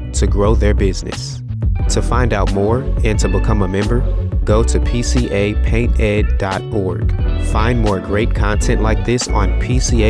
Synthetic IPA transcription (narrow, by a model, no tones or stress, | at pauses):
tʰɨɡɹoʊðə˞bɪznɨ̰s | tʰɨfãɪ̃ndaʊt̚mɔɹɨ̃ntʰɨbəkʰʌ̃məmɛ̃mbə˞ɡ̥oʊɾɨpʰisiʔeɪpʰẽɪ̃ntɛdɑɾɔɹɡ̥fãɪ̃nmɔɹɡɹeɪt̚kʰɑ̃ntʰɛ̃nʔlaɪk̚ðɪsn̩pʰisie